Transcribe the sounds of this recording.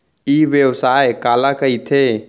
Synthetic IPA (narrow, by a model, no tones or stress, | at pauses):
iːʋjəʋsaːekaːlakɐit̪ʰeː